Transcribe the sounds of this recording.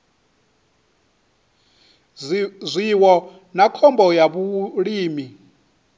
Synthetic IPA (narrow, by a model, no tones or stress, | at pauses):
zʷiwɔ | nakʰɔmbɔjaβuɺiːmi